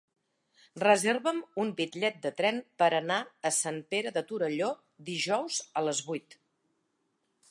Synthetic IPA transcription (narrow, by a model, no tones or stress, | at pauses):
rəzerβəmumbit̪ʎɛt̪̚d̪ət̪ɾɛmpəɾənaəsampeɾəðət̪uɾəʎo | d̪iʒɔwzələzβujt̪